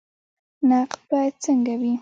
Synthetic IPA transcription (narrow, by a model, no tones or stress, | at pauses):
naqt̪̚bɑjad̪̚t͡səŋɡawi